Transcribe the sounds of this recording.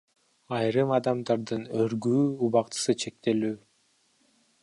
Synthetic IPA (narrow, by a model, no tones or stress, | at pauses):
ɑjɾɯmɑd̪ɑmd̪ɑɾd̪ɯnøɾɡyːuβɑqt̪ɯ̥sɯt͡ʃʰe̞k̚t̪e̞lyː